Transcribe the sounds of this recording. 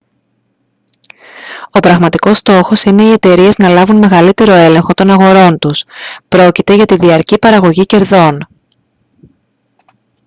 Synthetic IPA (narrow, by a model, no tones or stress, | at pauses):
o̞pɾɐɣmɐt̪iko̞st̪o̞xo̞sine̞ie̞t̪e̞ɾie̞znɐlɐvunme̞ɣɐlit̪e̞ɾo̞e̞le̞ŋxot̪o̞nɐɣo̞ɾo̞nt̪uspɾo̞cit̪e̞ʝɐt̪iðiɐɾcipɐɾɐɣo̞ʝice̞ɾðo̞n